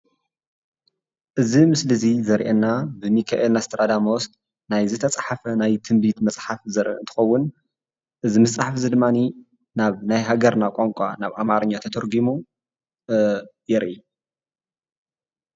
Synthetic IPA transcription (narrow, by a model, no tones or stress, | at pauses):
ʔɨzimɨslɨzizɐɾʔɛnːabɨmikʰaʔelnast̪ʰɐɾad̪amost̪ | najzɨt̪ʰɐt͡sʼħafɐnajt̪ʰɨmbit̪mɐt͡sʼħafzɐɾʔɨ̰ɨnt̪ʰɨ̥xɐwːʊn | ʔɨzimɐsʼaħafzɨd̪ɨmːani | naβnajɦaɡɐɾnakʷʼoŋkʷʼanaβʔamaɾɐɲːat̪ʰɐt̪ʰɐɾɡimu | jɛɾʔi